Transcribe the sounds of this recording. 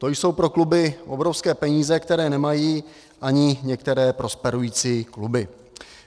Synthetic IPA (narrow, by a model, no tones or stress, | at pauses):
t̪o̞jso̞wpɾo̞klubɪʔo̞bɾofskɛːpɛɲiːzɛkt̪ɛɾɛːnɛmajiː | ʔaɲɪɲɛk̚t̪ɛɾɛːpɾo̞spɛɾujiːt͡siːklubɪ